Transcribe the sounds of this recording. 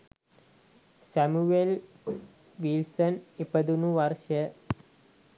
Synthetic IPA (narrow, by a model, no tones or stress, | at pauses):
sæmuel | ʋilsənipəd̪unuʋaɾʃə